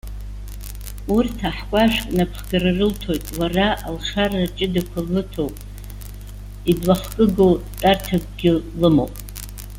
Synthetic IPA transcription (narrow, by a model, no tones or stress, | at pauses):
urtʰaħkʷʼaʃʷᶣkʼnapʰχɡararɨltʰo̞jtʼwaraʔalχarat͡ʃʼɪdakʷʰalɨtʰowpʼ | idlaχkʼɨɡowtʼartʰak̚ʷʼɡʲɪlɨmo̰wpʼ